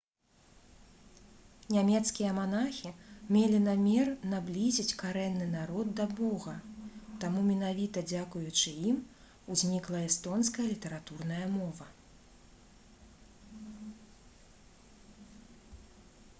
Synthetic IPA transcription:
nʲamʲɛt̪skʲijɐmanaxʲimʲelʲinamʲɛrnablʲizʲit͡sʲkaɾɛnːɨnaɾɔd̪̚d̪ɐbɔɣɐt̪amumʲɛnavʲit̪ɐd͡zʲakujut͡ʂɨim | uzʲnʲiklˠɐɛst̪ɔnskɐjɐlʲit̪ɐɾat̪urnɐjɐmɔvɐ

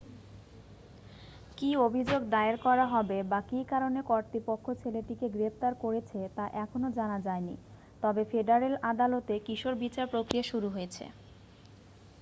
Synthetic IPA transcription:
kiobʱid͡ʑoɡd̪aeɾkɔɾaɦɔbebakikaɾonekoɾt̪ipokʰːot͡ɕʰeleʈikeɡɾept̪aɾkoɾet͡ɕʰet̪aʔɛkʰonod͡ʑanad͡ʑaenḭ | t̪ɔbefeɖaɾelad̪alot̪ekiʃoɾbit͡ɕaɾpɾokɾijaʃuɾuɦojet͡ɕʰḛ

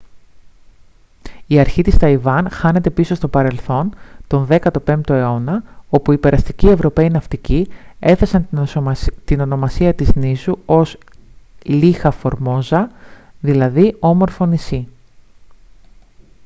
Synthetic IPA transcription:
iɐɾçit̪ist̪ɐivɐnxɐne̞t̪e̞piso̞st̪o̞pɐɾe̞lθo̞nt̪o̞nðe̞kɐt̪o̞pe̞mt̪o̞e̞o̞nɐo̞puipe̞ɾɐst̪icie̞vɾo̞pe̞inɐft̪icie̞θe̞sɐn | t̪ino̞no̞mɐsiɐt̪iznisuo̞s | lixɐfo̞ɾmo̞zɐðilɐðio̞mo̞ɾfo̞nisi

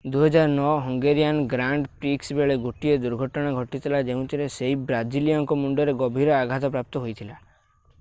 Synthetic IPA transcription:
d̪uɦɔd͡ʒaɾɔnɔɦɔŋɡeɾijanɡɾaɳɖpɾiksbeɭeɡoʈied̪uɾɡʱɔʈɔɽ̃aɡʱɔʈit̪ʰilad͡ʒeɦũt̪ʰiɾeseɦibɾad͡ʒilijɔŋkɔmuɳɖɔɾeɡɔbʱiɾɔaɡʱat̪ɔpɾap̚t̪ɔɦojt̪ʰila

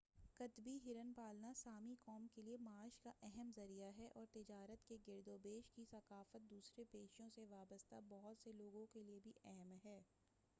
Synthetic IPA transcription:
kɐt̪biɦɪɾənpaːlnasaːmikɔːmkeliemaːʃkaʔɛɦɛmzɐɾijaɦɛʔɔːɾt̪ɪd͡ʒaːɾət̪keɡɪɾd̪oːbeːʃkisɐkaːfət̪̚d̪uːsɾepeːʃõseʋaːbəst̪abɐɦʊt̪seloːɡõkeliebʱiʔɛɦɛmɦɛː

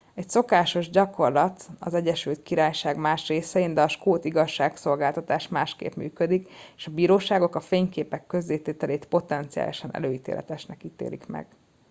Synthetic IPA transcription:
ɛcso̞kaːʃo̞ʒɟɒko̞rlɒt̪ɒ̰zɛɟɛʃylt̪kiɾaːjʃaːɡmaːʃreːsɛind̪ɛɒʃkoːt̪iɡɒʃːaːkso̞lɡaːlt̪ɒt̪aːʃmaːʃkḛːpmy̰ːkød̪ikeːʃɒbiːɾoːʃaːɡo̞kɒfeːɲkeːpɛkːø̞zːeːt̪eːt̪ɛleːt̪po̞t̪ɛnt̪sija̰ːliʃɒnɛ̰løːit̪ḛːlʔɛ̰t̪ɛʃnɛkit̪ḛːlḭkmɛ̰ɡ̥

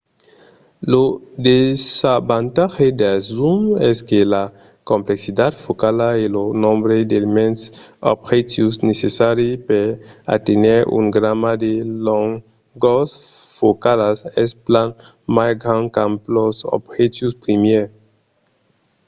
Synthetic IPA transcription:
lod̪esabant̪axed̪azumɛskela | kõmpleksid̪ad̪fokalaelonõmbɾed̪elemẽnso̰bxet̪jusnesesaɾepeɾa̰t̪eneɾṵŋɡɾamad̪eloŋ | ɡos | fokalasɛsplan | masɡɾãŋkamploso̰bxet̪juspɾimjeɾ

